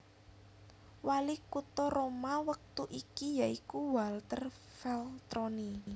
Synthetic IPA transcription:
walikut̪ɔɾomawək̚t̪uʔikijaikuwalt̪ər | fɛlt̪ɾɔni

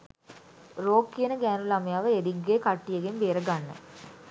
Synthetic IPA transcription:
roːkːijenəɡæːnulamɐjaːʋəediɡːeːkaʈːijeɡembeːɾəɡanːə̰

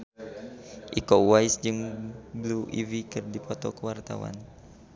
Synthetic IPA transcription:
ʔikɔwajsd͡ʒɨŋbluʔḭvikɨrdipɔt̪ɔkəwart̪a̰wa̰n

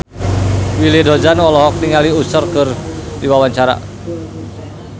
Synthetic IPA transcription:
wilidɔd͡ʒanwɔlɔɦɔk̚niŋaliusərkərdiwawaɲt͡ʃaɾa̰

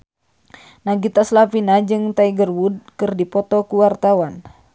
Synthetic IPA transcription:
naɡit̪aslapinad͡ʒɨŋt̪aiɡərwud̚kɨrdipɔt̪ɔkuwart̪awan

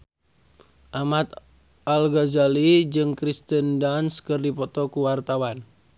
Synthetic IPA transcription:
ʔamat̪̚ | alɡazalid͡ʒɨŋkɾist̪əndanskɨrdipɔt̪ɔkuwart̪awan

